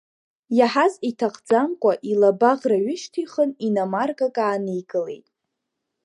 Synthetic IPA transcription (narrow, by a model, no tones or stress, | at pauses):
jaħazitʰaqʰʼd͡zamkʷʼaʔilabaʁraɥɪʃtʰiχəninamarɡakʼaːnejɡɨle̞̰jtʼ